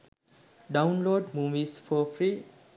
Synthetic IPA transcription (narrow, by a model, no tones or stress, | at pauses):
ɖawnloɖmuʋisfʰɔfʰɾi